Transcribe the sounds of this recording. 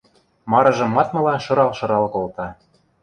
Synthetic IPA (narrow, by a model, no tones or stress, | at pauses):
mɑɾɤ̆ʒɤ̆mːɑt̪mɤ̆lɑʃɤ̆ɾɑlʃɤ̆ɾɑlkolt̪ɑ